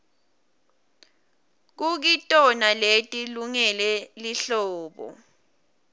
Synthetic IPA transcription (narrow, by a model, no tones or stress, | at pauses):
k̬uk̬itʼɔnaletʼiluŋɛlɛliɬɔːɓɔ̰